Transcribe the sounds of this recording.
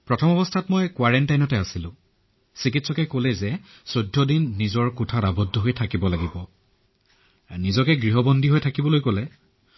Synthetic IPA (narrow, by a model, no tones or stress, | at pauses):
pɹɔtʰɔmɔbɔstʰatmɔjkwaɹɛntajnɔtɛasilʊ̃ | sikitsɔkɛkolɛzɛ | sodʱːɔdinːizɔɹkutʰatabɔdʱːɔɦojtʰakibɔlaɡibɔ | nizɔkɛɡɹiɦɔbɔndʱiɦojtʰakibɔlojkolɛ